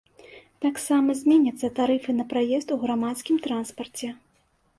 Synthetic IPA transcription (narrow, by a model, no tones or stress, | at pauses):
t̪aksamɐzʲmʲɛnʲɐt̪sːɐt̪aɾɨfɨnɐpɾajɛst̪uɣɾamat̪skʲimt̪ɾanspɐrt͡sʲɛ